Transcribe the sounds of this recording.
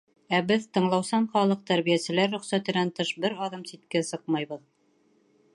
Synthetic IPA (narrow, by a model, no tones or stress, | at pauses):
æbɘðt̪ɤ̆ɴlˠɑwsɑɴχɑlˠɤq̚t̪æɾβijæsɘ̆læɾːŏχsæt̪ɘ̆nænt̪ɤʃbɘɾɑðɤmsit̪kæsɤq̚mɑjβɤð